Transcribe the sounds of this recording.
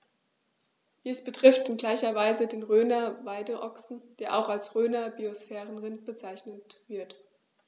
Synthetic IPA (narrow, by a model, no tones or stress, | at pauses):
d̥iːsb̥ətʁ̥ɪftɪnɡlaɪçɐvaɪzədeːnʁøːnɐvaɪdəʔɔksn̩d̥eːɐʔaʊxalsʁøːnɐbiosfɛːʁənʁɪnt̚b̥ət͡saɪçnətv̥ɪɐt